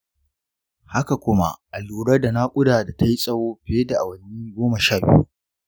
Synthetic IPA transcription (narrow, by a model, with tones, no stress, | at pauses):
ha˦ka˨kʷʊ˦ma̰˦ʔʔa˨luː˨ɽɐ˦da˨na˦kʷʼʊ˦daː˨da˨ta˦ji˦sʼɐ˦woː˦ɸe˦da˨ʔa˨wɐ˨niː˦ɡʷoː˦mɐ˨ʃaː˦˨bɪ̰˦ju˦